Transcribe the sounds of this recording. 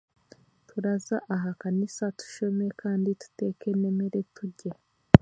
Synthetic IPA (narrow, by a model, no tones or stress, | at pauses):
tʰuɾazaʔaɦakanisatu̥ʃo̞me̞kʰaːnditu̥te̞ːke̞ne̞meɾetuɟe